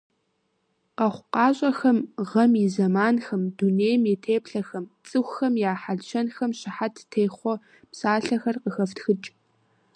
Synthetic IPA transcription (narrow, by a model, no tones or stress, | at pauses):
qɐχʷʊqɑːɕʼɐxɐmʁɐmizɐmaːnxɐmduneːjmetʰeːpɬɐxɐmt͡sʼɨxʷxɐmjaːħaɮʃʰɐnxɐmɕɪħatʰtʰeːχʷɔ | psaːɬɐxɐrqəxɐftxɨt͡ʃʼ